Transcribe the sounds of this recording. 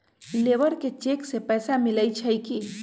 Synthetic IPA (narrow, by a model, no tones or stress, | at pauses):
leʋəɾket͡ʃeksepɛːsamiləjt͡ʃʰəjki